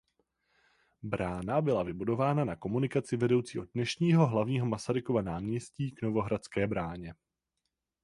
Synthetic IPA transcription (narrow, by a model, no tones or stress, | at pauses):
bɾaːnabɪlavɪbudo̞vaːnanako̞munɪkat͡sɪvɛdo̞wt͡siːɦo̞dnɛʃɲiːɦo̞ɦlavɲiːɦo̞masaɾɪko̞vanaːmɲɛsciːɡno̞vo̞ɦɾat͡skɛːbɾaːɲɛ